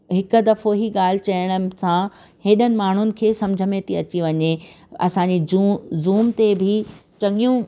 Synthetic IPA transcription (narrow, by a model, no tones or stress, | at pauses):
ɦɪkə̆d̪ɐfoɦiɠaːl̤ɪt͡ɕɐjəɽ̃ə̆sã | heːɗənɪ̆maːɳ̤ʊnɪ̆kʰeːsɐ̃md͡ʑʱəmet̪iɐt͡ɕiʋɐɲe | ɐ̰sãːɲd͡ʑizuːmt̪ebʱɪt͡ɕɐɠijũ